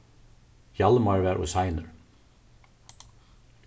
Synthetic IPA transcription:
jɑlmɑɹʋæːɾʔo̰ːsɑɪnə̰ɹ

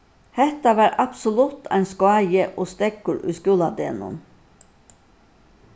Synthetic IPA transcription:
hɛt̪ɑʋæːɾʔɑpsɔlʉt̪ʰæ̰ɪnskʊɑɪjəʔoːst̪ɛɡkʊɹʔʉ̰skʉːlɑd̪eːnʊ̰n

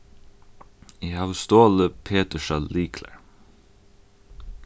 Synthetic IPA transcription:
iːhɑːʋst̪oːləpʰeːt̪əʃɑliːkʰlə̰ɹ

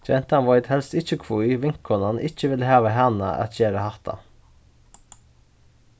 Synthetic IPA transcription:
d͡ʒɛnt̪ɑnʋɔɪd̪hɛlst̪ɪçəkʰʋuːiːʋɪŋkʰɔnɑnʔɪçəʋɪləheːʋəɦænə̰ʔɑ̰t̪çeːɾəhɑt̪ɑ̰

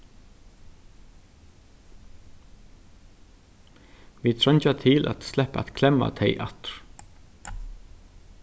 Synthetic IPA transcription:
vit̪ʰɾœɲt͡ʃat̪ʰɪlʔa̰t̪st̪lɛhpaɛt̪kʰlɛmːa̰t̪ʰejʔat̪ɾ̥

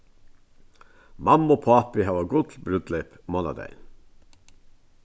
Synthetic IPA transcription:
mɑmopʰɑpɪhɑːʋɑɡʊd̪lbɾʉd̪lep | mɔnɑ̰d̪æ̰ɪn

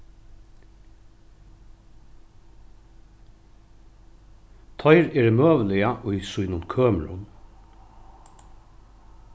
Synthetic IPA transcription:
t̪ʰɔɪɾɛːɾɪmøːʋəlɪaʔʊjsʊjnʊnkʰøːmɾʊ̰n

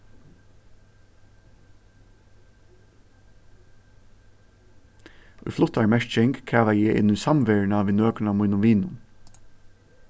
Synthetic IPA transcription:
ʊ̰jflʊt̪aɹmɛɹt͡ʃɪŋɡkʰæːʋajɛɪʔɪ̰nʏsɑmʋeːɹnaʋiːnøːknaːmujnʊmʋiːnʊ̰n

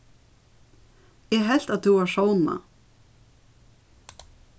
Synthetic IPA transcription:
jɛɦɛl̥t̪aðθuvaɾʂoːwna̰

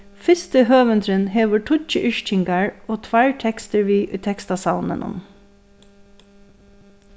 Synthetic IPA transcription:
fɪst̪əhøːʋənt̪ʰɾənɦeːʋəʈʰʊt͡ʃəʔʏʃt͡ʃʰɪŋɡɑɹoːt̪ʰʋæɹʈʰɛkst̪əɹʋiːʔʉːt̪ʰɛkst̪ɑsɑʊnə̰nʔʊ̰m

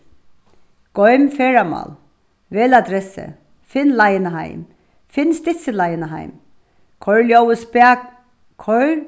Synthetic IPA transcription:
ɡ̥ɔʏmfeːɹamɑ̰l | ʋeːlad̪ɾɛsə̰ | fɪnlaɪnɦæ̰ɪm | fɪnst̪ɪsəlɑjnɦæ̰ɪm | kʰɔɹljowəspɛɡ | kʰɔ

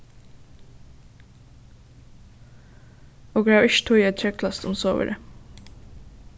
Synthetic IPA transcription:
oːɡɹɑʏʃt̪ʰuːiːɛt̪c͡çœkʰlɑst̪ʰʊmsoːʋə̰ɾə

